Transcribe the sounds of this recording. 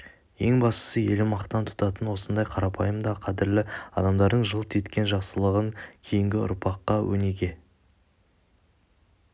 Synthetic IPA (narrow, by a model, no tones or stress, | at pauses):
je̞ŋbɑst̪ə̥səje̞lɪmɑqt̪ːɑnt̪ʰʊ̥t̪ɑt̪ənwo̞sənd̪ɑjqʰɑɾɑpʰɑjəmd̪ɑqʰɑd̪ɪɾlɪɑ̰d̪ɑmd̪ɑɾd̪əɴʒəlˠt̪ʰet̪kʲe̞nʒɑqsəlˠəʁəŋkʲʰe̞jɪŋɡʲɪʊ̰ɾpʰɑqːɑwʔɵ̰ne̞ɡʲe̞